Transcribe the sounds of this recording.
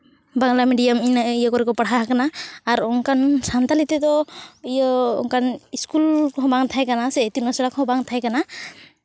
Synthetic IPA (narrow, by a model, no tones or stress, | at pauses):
baŋlamiɖijaminaijakɔɾɛkɔpaɽɦaɦakanaːɾɔŋkansant̪alit̪ɛt̪ɔijɔɔ̰ŋkaniskulkɔɦɔ̃baŋt̪ʰajkanasɛːt̪inɔsɔɽakɔɦɔ̃baŋt̪ʰajkana